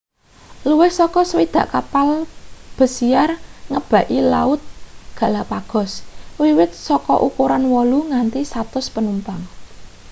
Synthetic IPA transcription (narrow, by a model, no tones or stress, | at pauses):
luwɪhsɔkɔswid̪̥ä̤ʔkapalb̥ə̤siarŋəb̥ä̤ʔilaʊt̪̚ɡ̥ä̤lapaɡ̥ɔ̤swiwɪt̪̚sɔkɔ̰ʔukuɾanwɔluŋant̪isat̪ʊspənumpaŋ